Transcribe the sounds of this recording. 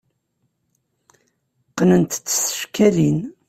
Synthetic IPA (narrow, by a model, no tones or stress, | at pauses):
qːnənt̪t͡sːsə̥fkælin